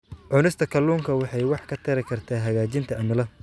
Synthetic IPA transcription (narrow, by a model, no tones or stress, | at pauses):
ʕʊnɪst̪ʰɐkʰɐlːuːŋkʰɐwɑħɑjwɑħkʰɐt̪ʰɐɾɪkʰɐrt̪ʰaːɦɐɣaːt͡ʃɪnt̪ʰɐʔɐmɪlɐ